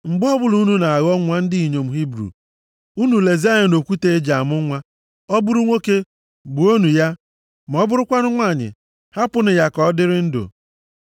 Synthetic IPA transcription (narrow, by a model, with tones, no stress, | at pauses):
ŋ͡m̩˨ɡ͡bʊ˦ɔ˦bʊ˦lu˨u˦nu˦na˨a˨ɣɔ˦ŋʷa˦n̩˦dɪ˦i˨ɲo˨m̩˨ɦi˦bɾṵ˨ | u˦nu˨le˨za˦ɲɪ˨no˨kʷu˦te˦e˦d͡ʒa˨a˨mʊ˦ŋʷa˦ | ɔ˦bʊ˦ɾu˦ŋʷo˦ke˦ | bu˨o˦nu˨ja˦ | m˨ɔ˦bʊ˦ɾʊ˦kʷa˦nʊ˦ŋʷa˦˨ɲɪ̰˨ | ha˦pʊ˦nɪ˨ja˨kɔ˦dɪ˦ɾɪ˦n̩˦do̰˨